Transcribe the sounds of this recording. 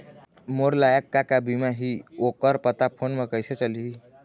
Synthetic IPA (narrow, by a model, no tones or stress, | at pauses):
moɾlajəkːakabimaɦiokəɾpət̪apʰonmekəjset͡ʃəli